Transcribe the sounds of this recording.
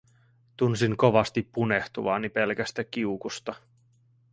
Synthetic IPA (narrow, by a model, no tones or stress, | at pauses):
t̪unsiŋko̞ʋɑst̪ipːune̞ht̪uʋɑ̰ːnipe̞lk̟æst̪æk̟ːiukust̪ɑ